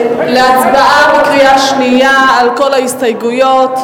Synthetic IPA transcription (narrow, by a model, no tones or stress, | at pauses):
leat͡sbaʔabekʁiaʃnijaːlko̞laist̪ajɡujot̪